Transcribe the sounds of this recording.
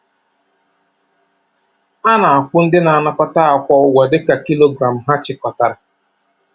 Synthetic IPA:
a˦na˨a˨kʷʊ˦n̩˦dɪ˦na˨a˨na˦kɔ˦ta˦a˨kʷɔ˦ʊ˦ɡʷa˨dɪ˦ka˨ki˦lo˦ɡɾa˨m̩˨ɦa˦t͡ʃɪ˨kɔ˨ta˨ɾa˨

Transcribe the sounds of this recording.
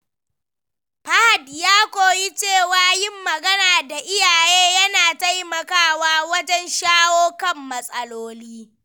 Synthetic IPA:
ɸɐ˦ha˨djaː˦kʷoː˨ji˦t͡ʃeː˦˨waː˨jɪ˦mːɐ˨ɡɐ˦naː˨da˨ʔɪ˦jaː˨jeː˦jɐ˦naː˨ta˦jmɐ˨kaː˦waː˦wɐ˦d͡ʒɛ˦nʃaː˦woː˦kɐ˦˨mːɐ˦sʼɐ˦loː˦liː˦

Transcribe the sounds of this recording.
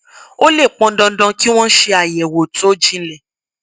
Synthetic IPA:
o˦le˦˨k͡pɔ̃˧˦dɔ̃˧˦dɔ̃˧ki˦w̃ɔ̃˦ʃe˧a˨jɛ˨wo˨to˨˦d͡ʒĩ˦lɛ˦˨

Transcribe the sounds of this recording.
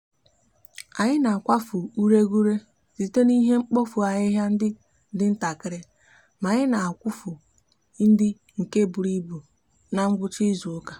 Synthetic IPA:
a˨ɲɪ˦na˨a˨kʷa˦fu˨u˦ɾe˦ɡu˦ɾe˦ | zi˨te˦ni˦ɦe˦ŋ͡m̩˦k͡po˦fu˨a˨ɲɪ˦ɦja˦n̩˦dɪ˦ | dɪ˦n̩˦ta˨kɪ˦ɾɪ˦ | ma˨ɲɪ˦na˨a˨kʷʊ˦fʊ˨ | n̩˦dɪ˦ | ŋ̩˨ke˦bu˨ɾi˦bu˨ | na˨ŋ̩˦ɡʷʊ˦t͡ʃi˦zu˨ʊ˦ka˨

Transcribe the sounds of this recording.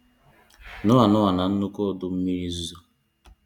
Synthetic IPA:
nʊ˦a˨nʊ˦a˨na˨n̩˦nu˦ko˦dʊ˦m̩˦mi˦zu˦

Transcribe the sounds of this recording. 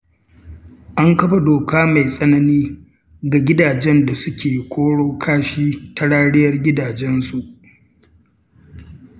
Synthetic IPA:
ʔa˦ŋkɐ˦ɸa˨doː˨kaː˦ma˨jsʼɐ˦nɐ˦niː˦ | ɡa˨ɡʲɪ˦daː˨d͡ʒɛ˦nda˨sʊ˦kʲeː˨kʷʰoː˦ɽoː˦kʰaː˦ʃiː˦ta˨˦ɽaː˦ɽɪ˦jɐ˦rɡʲɪ˦daː˨d͡ʒɛ˦nsu˨ʔ

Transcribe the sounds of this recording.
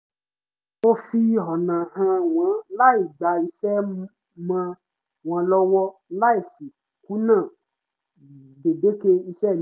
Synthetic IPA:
o˦fi˦ɦɔ˨nã˨hã˧w̃ã˨˦la˦i˨ɡ͡ba˨i˧sɛ˦ | mã˧ | w̃ã˨˦lɔ˦wɔ˦la˦i˨si˨ | ku˨˦nãː˦˨ | be˨be˨˦ke˧i˧sɛ˦˨n

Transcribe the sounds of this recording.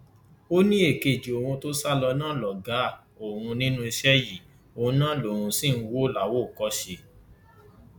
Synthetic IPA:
o˦nĩ˦e˦˨ke˨d͡ʒi˨o˨ɾũ˧to˦sa˦lɔ˧nãː˦lɔ˨ɡa˨˦˨ | o˨ɾ̃ũ˧nĩ˦nũ˦i˧ʃɛ˦ji˦˨ | õ˧˦nãː˦lo˨ɾ̃ũ˧si˦˨n̩˧wo˦la˨˦wo˦˨kɔ˦ʃe˧

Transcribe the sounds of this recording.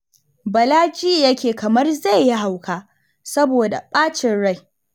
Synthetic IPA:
bɐ˨laː˦d͡ʒiː˦jɐ˦kʲeː˨kɐ˨mɐ˦rza˦˨jːɪ˦ɦa˨wkʰaː˦ | sɐ˦boː˨da̰˨ɓaː˦t͡ʃɪ˨nɽa˦˨j

